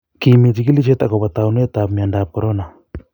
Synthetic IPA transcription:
ki˨mi˨t̪i˨ki˦li˦t͡ʃɛ˦t̪a˨ko˨βa˨t̪a˨un˦e˦t̪apmi˨anda˨p̚koɾona˨

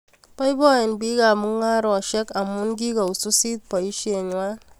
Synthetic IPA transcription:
pɔ˦jbɔ˦ɛ˨nbi˦ka˨mu˦ŋa˦ɾɔ˨ʃe˦ka˨mu˦nɡ̬i˦ka˨u˨su˦si˦t̚pɔ˨i˦ʃi˦e˨ɲ˦wa˦

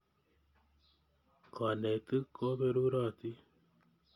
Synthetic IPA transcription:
kʰɔ˨ne˨t̪ɨ˦ko˦be˧ɾu˦ɾa˦˨t̪i˦

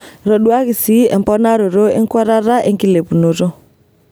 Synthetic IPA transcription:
ɾɔ˨ɗwa˦ɣi˨si˦ɛ̰˨m˨pɔ˦na˦ɾo˨ɾo˦ɛ̰˦ŋ˦kwa˦ɾa˦ɾa˦ʔe˦ŋki˦le˨pu˨no˨ɾo˦

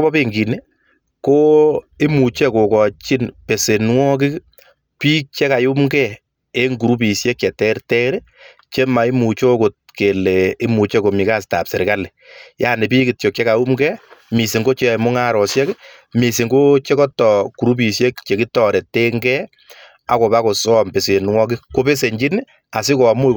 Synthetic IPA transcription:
bɔ˦be˦ŋɡi˨ni˦ | ko˦ɪ˦mu˨t͡ʃe˦ko˨kɔ˨t͡ʃi˦npe˨se˨nwɔ˦k̬ɪ˦ | piː˦k̚t͡ʃe˦ka˨ju˦mɡɛ | e˦ŋɡu˨ɾu˦pi˨sje˦kːɛ˨tɛ˦ɾtɛ˦ɾ | t͡ʃe˦ma˨ɪ˦mu˨t͡ʃo˦ko˨t̚ke˨le˨ɪ˦mu˨t͡ʃe˦ko˨mi˨ka˦sta̰˨pse˨ɾɪ˨kale˨jaː˦ne˨piː˦ki˨tjo˨k̚t͡ʃe˦ka˨ju˦mɡɛ˦mi˨si˨ŋɡo˦t͡ʃe˦˨mʊ˦ŋa˦ɾɔ˨sjɛ˦k | mi˨si˨ŋɡo˦t͡ʃe˦kɔ˦tɔ˨ku˨ɾu˦p̬i˨sje˦kt͡ʃe˨ki˦tɔɾe˨te˦ŋɡɛ˦ | a˨ko˨ba˦ko˨sɔː˦mpe˨se˨nwɔ˦k̬ɪ˦ko˦pe˦se˨ɲd͡ʒi˦n | a˨sɪ˦kɔ˨a˨mo˦

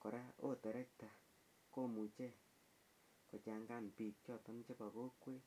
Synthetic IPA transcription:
ko˨ɾa˦o˦tɛ˨ɾɛ˦k̚ta˨ | ko˦˨mu˨t͡ʃe˦˨ | ko˨t͡ʃa˨ŋɡa˦˨m˨pi˨k̚t͡ʃjɔ˦˨tɔ˦m˦t͡ʃe˦pa˨ɣo˦kwe˦

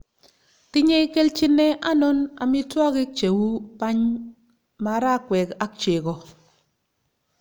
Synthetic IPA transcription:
ti˦ɲe˦ke˦lt͡ʃi˦nːe˦ʔa˦no˦na̰˨mi˦ta˦ki˦k̚t͡ʃe˨wu˦pa˦ɲ | ma˨˦ɾa˦kʷwe˨ka˦kt͡ʃe˨kɔ˨

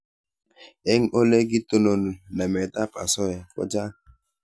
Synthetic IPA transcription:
e˦ŋ̩˦ʔo˦le˦ɡɪ˦to˦no˦nu˨na˨me˨ta˦pa̰˨sɔ˦ja˨kɔ̰˦d͡ʒa˦˨

